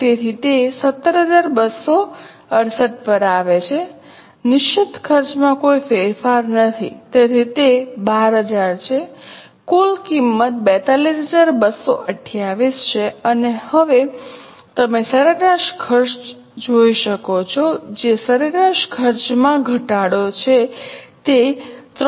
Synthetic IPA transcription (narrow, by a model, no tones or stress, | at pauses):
t̪eɾit̪esət̪ːəɾɦəd͡ʒaɾbəsːo | əɽsəʈ̚pəɾaʋet͡ʃʰe | nɪʃɪt̪kʰəɾt͡ʃmãkoifeɾfaɾnət̪ʰḭt̪eɾit̪ebaɾɦəd͡ʒaɾt͡ʃʰe | kulkimːət̪̚bɛt̪alisɦəd͡ʒaɾbəso̰ʔəʈʰjaʋist͡ʃʰeənehəʋe | t̪əmesəɾəɡɾaʃkʰəɾʃ | d͡ʒoiʃəkot͡ʃʰod͡ʒesəɾəɾaʃkʰəɾt͡ʃmãɡʱəʈaɽot͡ʃʰet̪et̪ɾ